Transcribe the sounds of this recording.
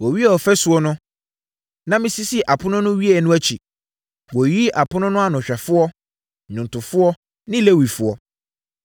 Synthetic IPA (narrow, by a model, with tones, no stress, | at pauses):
wɔ˨ɥi˦ɛ˨ɔ˨fɛ˦sʊ˨˦ɔ˦nʊ̃˦ | nã˦mɪ̃˦si˦si˦˨ʔa˨pʰʊ˦nʊ̃˦nʊ̃˦ɥi˦ɛ˨nʊ̃˦æ˦t͡ɕʰi˨ | wɔ˨ji˦ʔa˨pʰʊ˦nʊ̃˦nʊ̃˦a˦nʊ̃˨ɕᶣɛ˨fʊ˦ɔ˦ | ɲʊ̃˨n˨tʰʊ˨fʊ˦ɔ˦ | nɪ̃˦le˦wi˨fʊ˨˦ɔ˦